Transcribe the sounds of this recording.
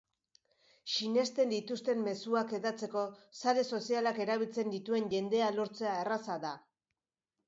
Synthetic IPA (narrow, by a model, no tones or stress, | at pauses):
ʃine̞st̪e̞nd̪it̪ust̪e̞mːe̞suake̞ðat͡se̞ko̞saɾe̞so̞sialake̞ɾaβ̞ilt͡se̞nd̪it̪ue̞nʝe̞nd̪e̞alo̞ɾt͡se̞aerasaða